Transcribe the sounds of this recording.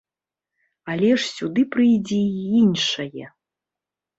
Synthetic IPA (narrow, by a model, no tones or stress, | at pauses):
alʲɛʂsʲud̪ɨpɾɨjd͡zʲɛinʂɐjɛ